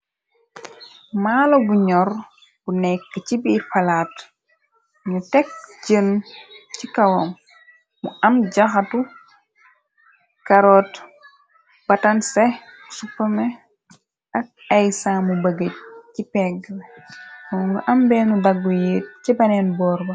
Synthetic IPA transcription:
maːlɔbuɲɔr | b̥unɛkːəcibifɐlaːt | ɲutɛk̚ɟəncikɐwomː | uʔɐmɟaxatu | kɐɾɔːt | b̥ɐtɐnsɛ | supːɐmɛ | ʔɐk̚ɐjsaːmubəɡəc̚cipɛɡːmkɔŋɡuʔɐmbɛːnudaɡːujet̚cibɐnɛnbɔːɾbɐ

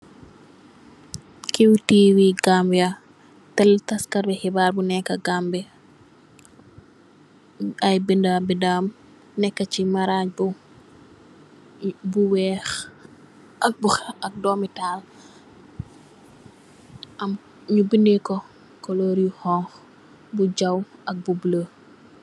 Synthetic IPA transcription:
kiwtiːwiɡambia | tɛltaskɐɾbɛhibaːɾbunɛkːɐɡambɛ | ɐjbindabindam | nɛkːɐcimɐɾaːɲbu | buwɛːx | ɐk̚buxɐk̚dɔːmitaːl | ɐm | ɲubindɛkɔ | kɔlɔːɾjuhɔ̃ŋx | buɟɐwɐk̚bublə

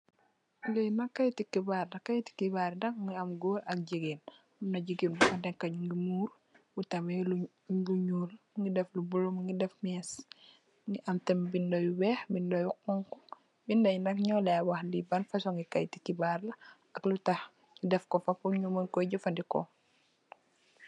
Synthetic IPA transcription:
lejnɐkːajtikibaɾnɐkːajti̥kibaɾndɐkŋiɐmɡoːɾɐk̚ɟiɡen | ɐmnɐɟiɡinbuxɐdɛŋkɐɲuŋɡimuːɾ | wutɐmelu | luɲuːlmŋɡidɛflubulomŋɡidɛfmɛs | ŋɡiʔɐmtɛmbindɔjuwɛːxbindɔjuqɔŋkɔ | bindɐjnɐkɲɔlɛwɐxdibɐnfɐsɔŋɡikɐjtikːibaɾlɐ | ɐklutɐx | idɛfkɔfɐpuɲumənkɔjɟəfɐndikɔ̰

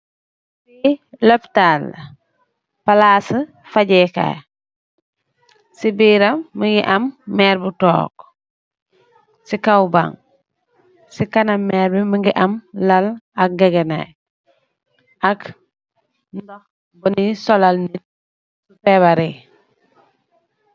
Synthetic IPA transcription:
silɔptal | palaːsə | faɟɛka̰ | sibiːɾɐmːəŋɡiʔɐmːɛːɾbutɔ̰ːk̚ | sikawba̰ŋ | sikɐnɐmːɛːɾbiməŋɡiʔɐmlɐlɐk̚ɡɐɡɛna̰j | ʔɐk | ndɔx | bɔnisɔlalnit̚ | supɛβaɾi

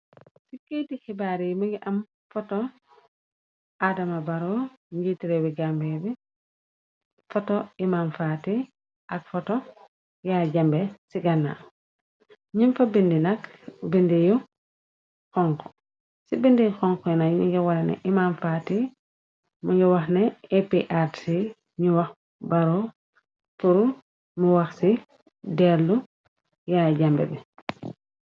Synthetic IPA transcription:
sikitixibaːɾimiɡiʔam | fɔtɔ | ʔadɐmabaɾo | ɲɡitiɾebiɡambebi | fɔtɔimamfati | ʔakfɔtɔ | jaːɟambesiɡana̰ | ɲinfabindinakbindiju | xɔŋkɔ̥ | sibindixɔŋkɔjunaɲuɟɔwaɾɛnɛ̰ʔimamfati | muɟɔwɐxnɛepiʔaɾsi | ɲuwax | baɾɔ | fuɾu | muwɐxsi | dɛlːu | jaːɟambɛ̰bɛ

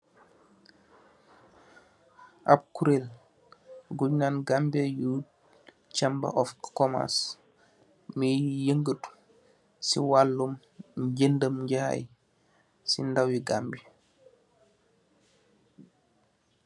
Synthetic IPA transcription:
ʔa̰b̚kuɾel | ɡuɲnanɡambejuːd̚ | t͡ʃamba̰ʔɔfkɔma̰s | mijəŋɡət | sḭwalːum | ɟəndəmɲɟaha̰j | sḭndawiɡambi

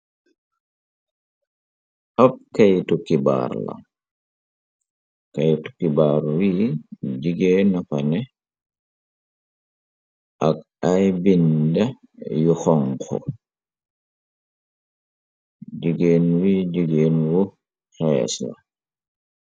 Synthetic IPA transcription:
ʔap̚kajtukːiba̰ɾla̰ | kajtu̥kːibaːɾwid͡ʒiɡeːnapanɛ | ʔak | ajbinda | juxɔŋkʰɔ̰ | d͡ʒiɡeːnwiːd͡ʒiɡeːnwɔ | xɛ̰sla̰

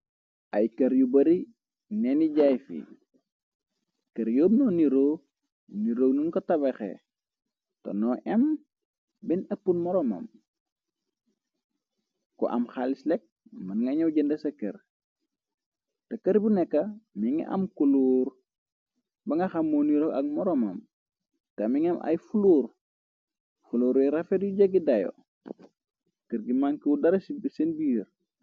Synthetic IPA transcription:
ʔɐjkɐɾjubɐɾi | neniɟajfḭ | kɐɾjoːbnɔːniɾoː | niɾoːɡnunkɔtɐbɐxḛ | to̰nɔʔɛm | bɛnɐpːunmɔɾɔmɐ̰m | kɔ̰ʔɐ̰mxalislɛk̚mɐnŋɡɐɲɐwɟəndɐsɐkːɐ̰ɾ | tɐkɐɾbunɛkːɐmiŋḭʔɐ̰mkuluːɾ | bɐŋɡɐxamːoniɾɔkɐ̰k̚mɔɾɔmɐm | tɐmiŋɐmʔɐ̰jfuluːɾ | fuluːɾɛɾɐfɛdjuɟɐɡidɐjo̰ | kəɾɡimaŋkiudɐɾɐsibsenbiːɾ

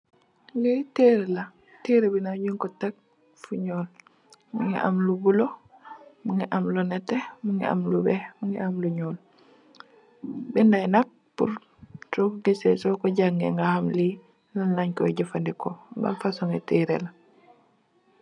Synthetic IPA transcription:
liteɾela | teɾebinaɟuŋkɔtaɡ̚ | fuɲɔːl | muŋḭʔa̰mlubulo | muŋiʔamlunɛtemuŋḭa̰mlubɛmuŋiʔamluɲɔːl | bindajnak̚ | pṵɾ | tokɡisɛsɔkɔɟaŋɡeŋɡahamli | lalaɲkɔɟafandikoba̰mfasɔŋeteːɾḛla

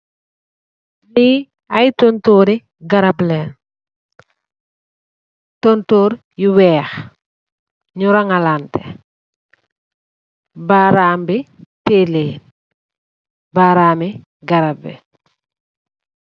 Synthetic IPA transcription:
li | ajtontoːɾi | ɡɐɾablɛːn | tontoːɾ | juwɛːx | ɲuɾaŋalantɛ̰ | baːɾaːmbiteːleːn | baɾaːmi | ɡɐɾabḭ

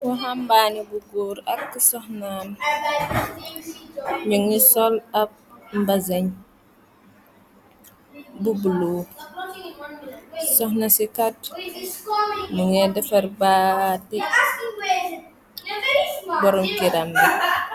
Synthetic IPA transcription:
wɔɦambanibuɡuːɾɐkːsɔxnaːn | ɲuŋisɔlɐp̚mbɐzɐɲ | bubuluː | sɔxnɐsikat̚ | nuŋɛdɛfɐrbati | bɔɾɔmɡiɾɐmi

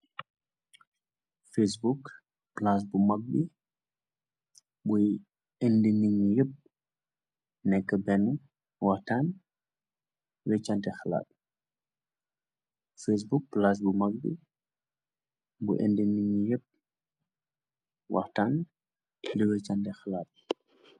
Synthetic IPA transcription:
fesbuk | plas̬bumɐɡ̚bi | buj | endeniɲijəp̚ | nɛkːəbɛnu | wɐɾtan | wɛt͡ʃːantɛxɐla̰ːt̚ | fes̬buk̚plas̬bumɐɡ̚bḭ | bṵʔḛndəniɲijəp̚ | wʔɐ̰ɾtan | dəwɛt͡ʃantɛxɐlat̚

